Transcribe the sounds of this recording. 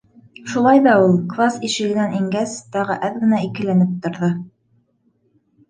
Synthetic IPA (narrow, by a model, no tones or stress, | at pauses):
ʃulˠɑjðɑulˠklˠasiʃɘ̆ɡɘ̆næniŋɡæst̪ɑʁɤ̰ʔæðɡɘ̆næikɘ̆lænɘp̚t̪ŏɾðɤ